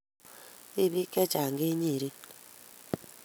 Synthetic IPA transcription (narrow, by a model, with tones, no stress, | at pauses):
e˦βi˦ke˦t͡ʃa˨ŋɡe˦ɲi˦˨ɾi˦